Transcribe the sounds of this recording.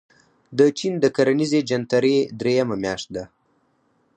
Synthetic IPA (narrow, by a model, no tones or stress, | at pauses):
d̪ət͡ʃind̪əkaɾanized͡ʒant̪aɾed̪ɾejamamjaʃt̪̚d̪a